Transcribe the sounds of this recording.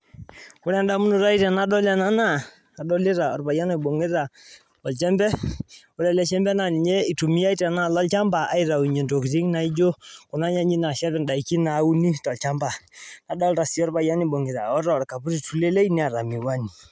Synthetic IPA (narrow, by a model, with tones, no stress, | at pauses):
ku˦ɾɛ˦nɗa˦mu˦nu˨ɾa˦i˦tɛ˨na˦ɗɔ˦lɛ˦na˦naː˦˨ | ɗɔ˦lɪ˦ɾa˨ɔ̰˨ɾba˨ja˦nɔ˨bo˨ŋɡe˦ɾa˨ | ɔ˨lt͡ʃɛ˦mbɛ˦ | u˦ɾɛ˨lɛ˦ʃɛ˦mbɛ˦na˨ni˨ɲe˦i˨tu˨mi˦ja˦i˦tɛ˨na˦˨lɔ˦lt͡ʃa˦mba˨a˦i˦ɾa˨i˨ɲe˨nto˨kti˦ŋna˨i˦d͡ʒo˦ku˨na˦ɲa˦ɲi˦na˨ʃɛ˦βɛ˦nɗa˨i˨ki˦na˨˦u˦ni˦tɔ˨lt͡ʃa˦mba˨na˨ɗɔ˦lɾa˨si˦ɔ˦ɾba˨ja˦ni˦bo˨ŋɡi˨ɾa̰˨ɔ˦ɾɔ˦˨ɾka˨pu˦ɾi˦tu˨lɛ˦lɛ˦i˦ni˨a˨ɾa˨mi˨wa˦ni˨